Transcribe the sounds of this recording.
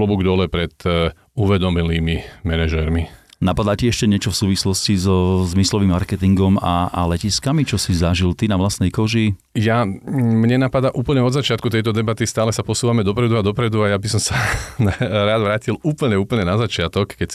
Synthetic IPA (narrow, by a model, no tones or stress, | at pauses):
lɔbuɡd̪ɔlɛpɾɛt̪ | uʋɛd̪ɔmiliːmimɛnɛʒɛɾminapad̪aciɛʃcɛɲɛt͡ʃɔfsuːʋislɔscizɔzmislɔʋimːaɾkɛt̪iŋɡɔmaalɛciskamit͡ʃɔsizaʒilt̪inaʋlasnɛjkɔʒi | jamɲɛnapad̪aʔuːpl̩ɲɛɔd̪zat͡ʃɪat̪̚kut̪ɛjt̪ɔd̪ɛbat̪ist̪aːlɛsapɔsuːʋamɛd̪ɔpɾɛd̪uad̪ɔpɾɛd̪uajabisɔmsanaɾaːd̪ʋɾaːciluːpl̩ɲɛuːpl̩ɲɛnazat͡ʃɪat̪ɔkːɛcs